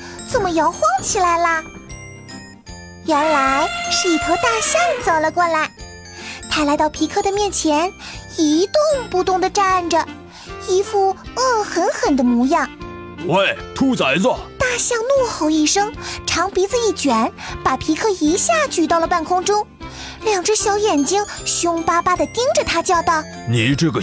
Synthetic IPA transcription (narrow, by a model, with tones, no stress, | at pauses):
t͡sə˨˩nmə˩jɑ˧˥ʊxwɑ˥ŋt͡ɕʰi˨˩la˧˥ɪlə˧ | ɥɛ˧˥nla˧˥ɪʂɻ̩˥˩i˥˩k̪ʰɤ˧˥t̪a˥˩ɕjɑ˥˩ŋt͡sɑ˨˩ʊlə˧˦kwɔ˥˩la˧˥ɪ | t̪ʰa˥la˧˥ɪt̪ɑ˥˩ʊpʰi˧˥kʰɤ˥˩d̪ə˩mjɛ˥˩nt͡ɕʰjɛ˧˥ni˧˥t̪ʊ˥˧ŋpu˧t̪ʊ˥˩ŋd̪ə˩ʈ͡ʂa˥˩nʈ͡ʂə˩ | i˥fu˥˩ɤ˥˩xə˧˥nxə˨˩nd̪ə˦mu˧˥jɑ˥˩ŋ | e˥˧˩ɪt̪ʰu˥t͡sa˧˥ɪt͡sə˧t̪a˥˧ɕjɑ˥˧ŋnwu˥˧xo˥˧˩ʊi˥˩ʂɤ˥ŋʈ͡ʂʰɑ˧˥ŋpi˧˥d͡zɹ̩˧i˥˩t͡ɕɥɛ˧˥npa˨˩pʰi˧˥kʰɤ˥˩i˧˥ɕja˥˩t͡ɕy˨˩t̪ɑ˥˩ʊlə˩pa˥˩nkʰʊ˥ŋʈ͡ʂʊ˥ŋ | ljɑ˨˩ŋʈ͡ʂ̩˥ɕjɑ˧˥ʊjɛ˨˩nt͡ɕi˥ŋɕʊ˥ŋpa˥pa˥d̪ə˨t̪i˥ŋʈ͡ʂə˨t̪ʰa˥t͡ɕjɑ˥˧ʊt̪ɑ˥˩ʊ | ni˨˩˦ʈ͡ʂɤ˥˩ɡə˩